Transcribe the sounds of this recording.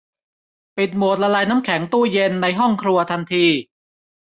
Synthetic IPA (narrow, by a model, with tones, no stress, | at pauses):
pi˨˩t̪̚mu˨˩t̪̚la˧laː˧jnaː˦˥mkʰɛ˩˦ŋt̪uː˥˩je˧nːa˧jɦɔ˥˩ŋkʰɾu˧ɐt̪ʰa˧nt̪ʰiː˧